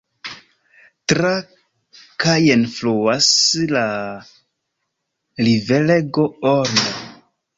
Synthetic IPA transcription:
tɾa | kajenfluwasla | liveleɡooɾna

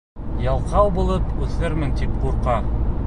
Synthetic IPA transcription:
jɑlˠqɑwbulˠɤpʉθɘɾmɘnt̪ip̚quɾqɑ

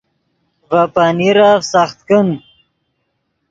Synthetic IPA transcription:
vapaniɾafsaχt̪kən

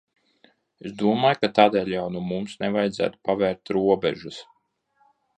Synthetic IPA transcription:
esd̪uɔmaːjkat̪aːd̪eːlʲjawnuɔmumsnevajd̪zæ̰ːt̪u̥pavɛːɾt̪ɾuɔbɛ̰ʒus

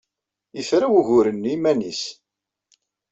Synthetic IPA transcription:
jəθɾawuʝʊɾənːimænis

